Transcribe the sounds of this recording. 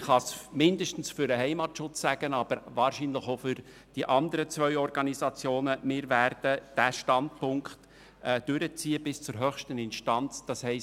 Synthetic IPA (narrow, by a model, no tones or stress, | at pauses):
χɑsmɪndəʃtn̩sfʏɾəɦɛɪmɑtʃʊt͡sːæɡ̥ənɑb̥əɾʋɑːɾʃinləχofʏɾ | d̥iʔɑnd̪əɾət͡svœʏɔɾɡɑnizɑt͡sjoːnəmɪːɾvæɾd̥əd̥æʃtɑnd̚pʊŋkχtː | d̥øɾət͡siːəbɪst͡sʊɾɦœχʃtənɪnʃtɑnt͡sd̥ɑshɛɪs